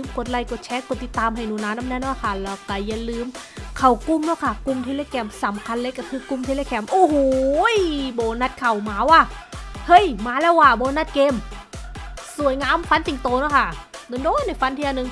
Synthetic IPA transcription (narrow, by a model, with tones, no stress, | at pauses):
ɯ˧˩mko˨˩t̪̚la˧˩jko˨˧˩t̪̚t͡ɕʰɛː˦˥ko˨˩t̪ːi˧˦t̪ːaː˧mha˨˩jnuː˨˩˦naː˧˥naː˦˥˩nɛ˦˥nɔː˧˥˩kʰa˧˩la˧˩wka˧˨˩ja˧lɯː˧m | kʰa˨˩wku˧˨mnɔː˦˥˦kʰa˧˩ku˧˨mt̪ʰe˧leː˧˩kʰɛː˧˩msa˨˦mkʰa˧nle˦˥kːa˧˩kʰɯː˧ku˧˨mt̪ʰe˧leː˧˩kʰɛː˧˩mʔoː˧˩hoː˨jboː˨˧˦na˧˩t̪̚kʰa˨˩wmaː˨˦waː˧˩hɤ˦˧˥jmaː˧˦lɛː˦˥˩waː˧˩boː˧˦na˧˥˩t̪̚keː˧m | su˨˦əjŋaː˧˥˨mfa˧˥nt̪i˨˩ŋt̪oː˧nɔ˦˥kʰa˥˩do˨˧˦doː˧˥˨jna˧˩jfa˧˥nt̪ʰiː˧ʔa˧nːɯ˧ŋ